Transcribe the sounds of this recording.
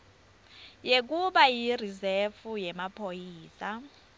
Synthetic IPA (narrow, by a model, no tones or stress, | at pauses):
jek̬uɓajirizefujɛmapʰojiːsa